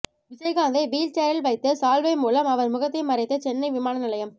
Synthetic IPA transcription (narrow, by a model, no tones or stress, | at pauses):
ʋɪd͡ʒɐɪɣaːnd̪ɐɪʋiːlt͡ʃɛɾɐlʋɐɪt̪ːɯsaːlʋɐɪmuːlɐmɐʋɐɾmʊɣɐt̪ːɐɪmɐɾɐɪt̪ːɯt͡ʃɛnːɐɪʋɪmaːnɐnɪlɐjɐm